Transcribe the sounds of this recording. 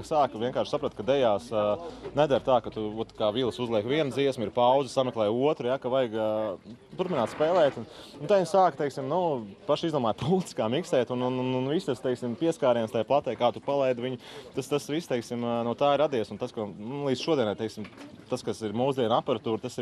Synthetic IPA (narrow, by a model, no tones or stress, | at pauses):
ksaːkʋʲiɛŋkaːɾʃsapɾat̪̚kɐd̪ɛjaːsnɛd̪aɾt̪aːkɐt̪uɔt̪kaːvilˠsuzlˠiɛkʋiɛnd̪ziɛsmiɾpawd̪zəsamɛklˠɛjuɔt̪ɾujakɐʋajɡ | t̪uɾpʲinaːt̪spɛːlˠɛːt̪ununt̪aiɲsaːkt̪eɪksimnupaʃizd̪oɔːmaːjpʰulˠt̪skaːmiksɛːt̪ununnnvist̪ast̪eɪksimpiɛskaːɾiːnst̪ajplˠat̪ɛjkaːt̪upalˠɛjd̪ʋiɲʊt̪ast̪asʋist̪eɪksimnut̪aːiɾad̪iɛsunt̪askonulˠiːd̪z̥ʃuɔd̪iɛnaɾt̪ɛɪksimt̪askasiɾmuːzd̪iɛnapɐɾat̪uːɾt̪asiɾ